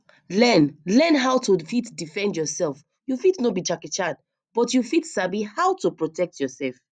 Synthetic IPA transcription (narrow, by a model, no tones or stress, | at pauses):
lɛnlɛ̃nɦawtufitdifɛ̃ndjɔsɛlf | jufitnobit͡ʃakɛt͡ʃad̚ | b̥ɔtjufitsabihawtupɹɔtʰɛk̚tjɔsɛlf